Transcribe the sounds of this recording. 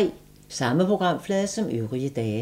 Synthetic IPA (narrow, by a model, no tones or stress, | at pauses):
ɪ̰ | sɑ̈məpʰʁo̝ɡ̥ʁɑ̈m̰flɛːðˠsɒ̽møʊʁiəd̥ɛː